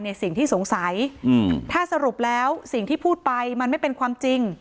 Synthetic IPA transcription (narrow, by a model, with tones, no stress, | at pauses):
ni˧˩əsi˨˩ŋt̪ʰiː˥˩su˩˦ŋsa˩˦jt̪ʰaː˥˩sa˧ɾu˨˩p̚lɛː˦˥wsi˨˩ŋt̪ʰiː˥˩pʰuː˥˩t̪̚pa˧jma˧nma˥˩jpe˧nkʰwaː˧mt͡ɕi˧ŋ